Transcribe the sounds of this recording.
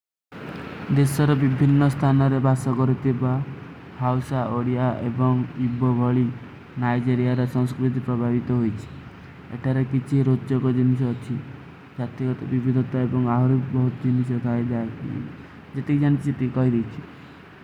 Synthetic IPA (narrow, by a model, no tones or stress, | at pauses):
d̪esɔɾɔbibʱinːɔst̪ʰanɔɾebasɔkɔɾit̪ʰiba | hawsaʔoɽijaʔebɔŋibɔbʱɔɭi | najd͡ʒeɾijaɾesɔ̃ŋskɾit̪̬ipɾɔbʱabit̪ɔɦojt͡ʃʰi̥ | ḛʈʰaɾekit͡ʃʰiɾot̪ɔkɔd͡ʒinis̬ɔːt͡ʃʰi | d͡ʒat̪ikɔt̪ɔbibʱid̪ʱɔt̪aebɔŋaɦɔɾupbɔɦut̪ɔd͡ʒinis̬ɔɡ̪ʱajd͡ʒaekḭ | d͡ʒet̪ekid͡ʒañit̪ʰit͡ʃʰit̪ikɔɦid̪ejt͡ʃʰi̥